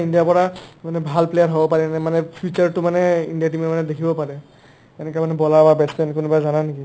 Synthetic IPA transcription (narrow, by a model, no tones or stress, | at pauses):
indijapɔɹamanɛbʱalplejaɹɦobɔpaɹɛnɛmanɛpʰut͡ʃaɹtʊmanɛḭndijat̬imɛmanɛdekʰibɔpaɹɛ | ɛnɛkɛmanɛbɔlababɛstɛnkʊnubazananeki